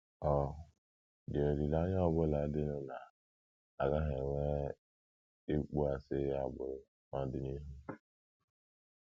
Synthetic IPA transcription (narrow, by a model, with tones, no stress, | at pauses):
ɔ˨ | dɪ˨o˨ɾi˨la˦ɲ˦ɔ˦bʊ˦la˨˦dɪ˦nʊ˦na˨ | a˨ɣa˦ɦe˨ŋʷe˦ | e˦k͡pu˦a˨sɪ˦a˨bʊ˦ɾ | ma˨dɪ˦ni˦ɦu˦